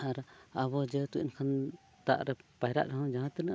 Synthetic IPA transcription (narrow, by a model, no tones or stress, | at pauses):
aɾaβɔd͡ʒət̪uʔinkʰan | t̪a̰ʔɾɛpajɾa̰ʔɾaɦãwd͡ʒaɦãt̪ɛna